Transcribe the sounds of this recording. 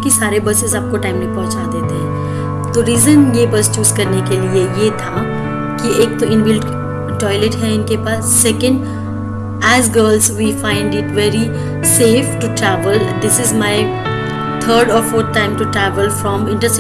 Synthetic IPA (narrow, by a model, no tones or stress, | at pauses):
kisaːɾebɐsɪzaːp̚koʈãɪmnɐɦĩpɐ̃ɦʊ̃t͡ʃad̪eːt̪eɦɛ̃ː | t̪oɾiːzə̃njebɐst͡ʃuːzkɐɾnekeliejet̪ʰa | kiʔeːk̚t̪oɪ̃nʋɪlɖ | ʈɔːɪleʈɦɛɪnkepaːsːɛkə̃ɳɖ | ɛzɡəːɾlzʋiːfãɪ̃ɳɖɪʈʋɛːɾi | seːfʈuʈɾɛːʋəl̃d̪ɪsɪzmaɪ | t̪ʰəːɾɖɔːɾfoːɾt̪̚ʰʈãɪ̃mʈuʈɾɛːʋəlfɾɔ̃mɪ̃ɳʈəs